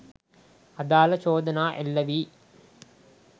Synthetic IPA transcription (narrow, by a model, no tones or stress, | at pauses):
ɐd̪aːlɐt͡ʃoːd̪ɐnaːʔelːɐʋi